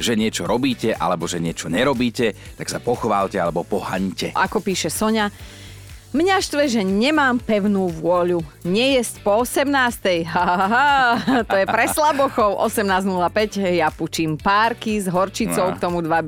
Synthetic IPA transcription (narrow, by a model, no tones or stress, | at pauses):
ʒɛɲɪɛt͡ʃɔɾɔbiːcɛʔa̰lɛbɔʒɛɲɪɛt͡ʃɔɲɛɾɔbiːcɛt̪aksapɔxʋaːʎcɛalɛbɔpɔha̰ɲcɛʔakɔpiːʃɛsɔɲa | mɲaʃt̪ʋɛʒɛɲɛmaːmpɛʊnuːʋʊɔʎuɲɛjɛscpɔɔsɛmnaːst̪ɛjɦaɦat̪ɔjɛpɾɛslabɔxɔʊʔɔsɛmnaːznulapɛɟjaput͡ʃiːmpaːɾkizɦɔɾt͡ʃit͡sɔʊkt̪ɔmud̪ʋab